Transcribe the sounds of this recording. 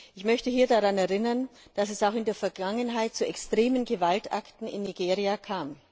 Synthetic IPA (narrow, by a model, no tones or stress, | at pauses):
ʔɪçmœçtəɦiːɐdaʁanɛɐʁɪnɐnd̥asɛsaʊxɪndeːɐfɛɐɡaŋənɦaɪt̚t͡suʔɛkstʁ̥eːmənɡəvaltʔa̰ktn̩ɪ̰nːiɡeːʁiakʰaːm